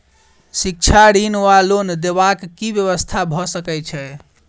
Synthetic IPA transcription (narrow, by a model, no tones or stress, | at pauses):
sik̚t͡ʃʰaɽinʋalond̪eβakːibjəβəst̪ʰabʱɔsəkɛt͡ʃʰɛ